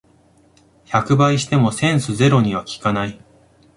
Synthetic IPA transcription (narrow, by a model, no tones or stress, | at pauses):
çakɯ̟baiɕi̥t̪e̞mo̞sẽ̞ɰ̃sɨze̞ɾo̞ɲ̟iβ̞akʲi̥kanai